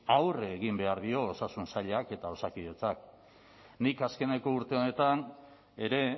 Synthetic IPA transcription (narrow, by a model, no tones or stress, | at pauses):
awreːɣ̞imbe̞aɾðio̞ːsasunsaʎake̞t̪ao̞sakiðe̞t͡sak̚ | nikaske̞ne̞ko̞uɾt̪e̞o̞ne̞t̪an | e̞ɾe̞